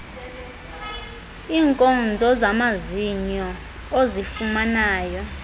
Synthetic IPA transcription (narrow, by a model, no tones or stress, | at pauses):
iːŋkʼɔnd͡zʱɔzamaziɲɔ | ozifumanaːjɔ